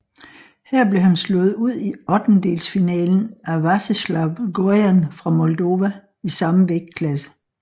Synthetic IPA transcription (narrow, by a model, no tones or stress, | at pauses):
hæɐ̰b̥le̝hænslɔ̽ð̞̩ˠuð̞̰ˠiɒ̽d̥n̩d̥e̝̰ːlsfinɛ̰ːln̩æʋɑsəslɑ̈ʊɡ̥ojænfʁɑ̈mɔ̽ld̥o̝ːʋæ | isɑ̈məʋeɡ̥̚kʰlæsə̥